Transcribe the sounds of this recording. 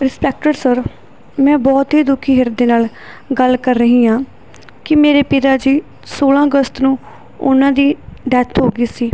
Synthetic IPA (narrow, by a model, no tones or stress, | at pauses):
ɾɪspɛːk̚ʈəɾsəɾ | mɛ̃ːbɔːt̪ɦiːd̪ʊkʰiːɦɪɾd̪eːnaːl | ɡəlkəɾːəɦĩːãː | kɪmeːɾeːpɪt̪aːd͡ʒiː | soːlãːəɡəst̪nũː | ʊ̰nãːd̪iːɖɛːt̪ʰɦoːɡiːsiː